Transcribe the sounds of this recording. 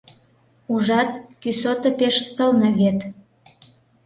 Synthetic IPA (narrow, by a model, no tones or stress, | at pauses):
uʒɑt̪kysot̪ə̆peʃsəlnɤ̆βet̪